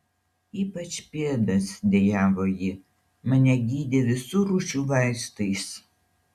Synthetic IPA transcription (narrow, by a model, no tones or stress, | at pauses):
iːpɐt͡ʃʲpʲiɛd̪ɐsd̪ʲejæːʋoːjɪ | mɐnʲɛɡʲiːd̪ʲeʋʲɪsuːɾuːʃʲuːʋɑˑɪʃt̪ɐɪs